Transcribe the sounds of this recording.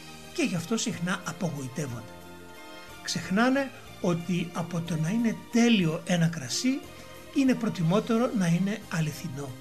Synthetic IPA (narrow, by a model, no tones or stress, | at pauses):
ce̞ʝɐft̪o̞sixnɐɐpoɣoit̪e̞vond̪e̥ | kse̞xnɐne̞ | o̞t̪iɐpo̞t̪o̞nɐine̞t̪e̞lio̞ʔe̞nɐkɾɐsi | ine̞pɾo̞t̪imo̞t̪e̞ɾo̞nɐine̞ɐliθino̞